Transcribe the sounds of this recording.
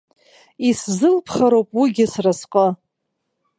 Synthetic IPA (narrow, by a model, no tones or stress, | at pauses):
iszɨlpʰχaɾowpʼwiɡʲɪsrasqʼə